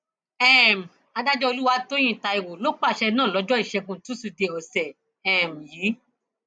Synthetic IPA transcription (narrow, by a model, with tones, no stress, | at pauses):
ɛ˦˨m̩˨ | a˨˧da˦d͡ʒɔ˦o˧lu˦wa˧to˦j̃ĩ˦˨ta˧i˨wo˨lo˦k͡pa˦˨ʃɛ˧nãː˦˨lɔ˨˦d͡ʒɔ˦i˦˨ʃɛ˧ɡũ˧tũ˨˦su˨de˧˨ɔ˨sɛ˨ | ɛ˦˨m̩˨ji˨˦